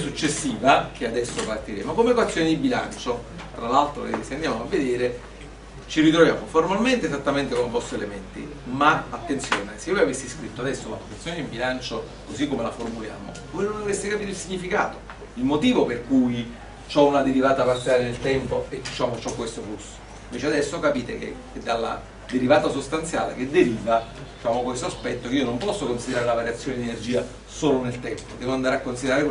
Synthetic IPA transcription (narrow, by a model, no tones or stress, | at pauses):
sut͡ʃːesːiːvak̟ʰead̪ɛsːopart̪iɾḛːmokomekwat̪sːjoːnid̪ibila̰nt͡ʃo | t̪ɾalalt̪ɾo̰ed̪ieseand̪jaːmoavːed̪eːɾe | t͡ʃirit̪ɾovja̰ːmoformalment̪eːzat̪ːament̪ekomepɔst̪oelement̪ḭ | maat̪ːensjoːnesevojavesːiskɾit̪ːoad̪ɛsːola̰pokat̪sjoned̪ibilant͡ʃo | kosikːomelaformulja̰ːmo̰vojnond̪ovesːikapiːt̪oilsiɲːifika̰ːt̪o | ilmot̪iːvoperkuj | t͡ʃɔunad̪eɾivaːt̪aparsialenelt̪ɛmpoed̪it͡ʃaːmot͡ʃɔkːwest̪oflusːo̥ | iɱveːt͡ʃead̪ɛsːokapiːt̪ḛkḛ | d̪alːa̰ | d̪eɾivaːt̪asost̪ant̪sja̰ːlḛk̟ed̪ːeɾiːvad̪it͡ʃaːmokwest̪oaspɛt̪ːokeiːonompɔsːokonsid̪eɾaːɾeunavaɾjat̪sːjoːned̪ienerd͡ʒiːa | soːlonelt̪ɛmpod̪ɛːvoand̪aɾeakːonsid̪eɾaːɾe